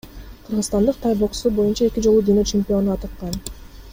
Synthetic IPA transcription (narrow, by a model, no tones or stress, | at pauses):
qʰɯɾʁəzt̪ɑnd̪ɯq̚t̪ʰajbo̞ksubo̞junt͡ʃɑe̞kʲid͡ʒo̞lˠud̪inøt͡ʃɪmʲpʲio̞nuɑt̪ɯqːɑn